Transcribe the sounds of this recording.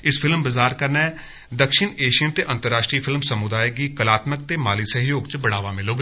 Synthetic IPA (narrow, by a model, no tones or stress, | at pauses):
ɪspʰɪlmbəzaːɾkəɾnɛː | d̪əkʃɪɳeːʃijənt̪eːʔə̃nt̪əɾaːʃʈɾiːpʰɪlmsəmʊd̪aːjəɡiːkəlaːt̪mək̚t̪eːmaːliːsəɦjoːɡt͡ʃbəɽaːʋaːmɪloːɡː